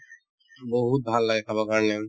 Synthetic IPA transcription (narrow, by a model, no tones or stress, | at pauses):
bɔɦut̪̚bʱalːaɡekʰabakaɹne